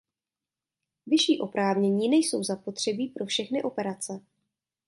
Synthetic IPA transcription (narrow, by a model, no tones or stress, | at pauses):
vɪʃiːʔo̞pɾaːvɲɛɲiːnɛjso̞wzapot̪r̝̥ɛbiːpɾo̞fʃɛxnɪʔo̞pɛɾat͡sɛ